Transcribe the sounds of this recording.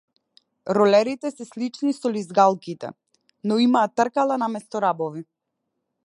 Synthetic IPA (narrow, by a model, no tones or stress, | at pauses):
ɾɔlɛɾit̪ɛsɛslit͡ʃnisɔlizɡalˠkit̪ɛ̰ | nɔimaːt̪ːrkalˠanamɛst̪ɔɾabɔvi